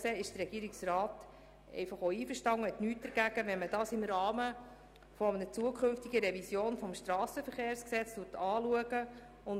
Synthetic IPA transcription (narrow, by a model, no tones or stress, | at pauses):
seːɪʃd̥ərɛɡiːɾɪksrɑːt | ɛ̰ɪfɑχoːiːfəɾʃtɑŋhɛt̪nyːt̚d̥əɾɡ̥æɡ̥əʋɛnmədɑːsɪmɾɑːmə | fɔmənət͡suəkʰχʏnftiɡəɾɛvisjoːnfɔmʃtɾɑːsəfəɾχeːɾsksɛt͡stʊtʰɑːluəɡə | ʊn